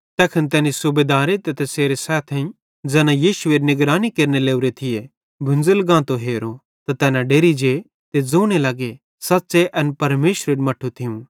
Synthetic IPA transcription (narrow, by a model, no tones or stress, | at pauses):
t̪ɛːkʰənt̪̬ɛːnisʊbeːd̪aːɾet̪ɛt̪eseːɾesɛːt̪ʰɛ̃ | d͡zɛːnãjiːʃʊeːɾnɪɡɾaːnikeːɾneleːʊɾet̪ʰɪje | bʱʊ̃nd͡zəlɡãːt̪oɦeːɾo | t̪at̪ɛːnãɖeːɾid͡ʒe | t̪ed͡zoːɽ̃elɐɡe | sɐtːseʔɐnpɐɾmeːʃɾeːɽmɐʈʰːut̪ʰɪũ